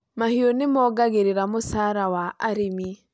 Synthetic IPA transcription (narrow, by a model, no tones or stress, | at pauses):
mahiɔnemɔɡaɣeɾeɾamosaːɾawaʔaɾemi